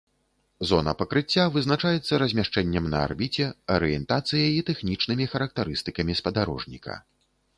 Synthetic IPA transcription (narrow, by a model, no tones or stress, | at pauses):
zɔnɐ̰pɐkɾɨt͡sʲːavɨznat͡ʂajɛt̪sːɐɾɐzʲmʲaʂt͡ʂɛnʲːɐmnɐ̰a̰rbʲit͡sʲɛɐɾɨjɛnt̪at̪sɨjɐit̪ɛxnʲit͡ʂnɨmʲixɐɾɐk̚t̪aɾɨst̪ɨkɐmʲispɐd̪aɾɔ̰ʐnʲḭkʰɐ̰